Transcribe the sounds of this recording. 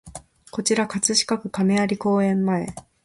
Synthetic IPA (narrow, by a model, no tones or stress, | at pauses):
ko̞t͡ɕiɾakat͡sɨɕi̥kakɯ̟kame̞aɾʲiko̞ːẽ̞mːae̞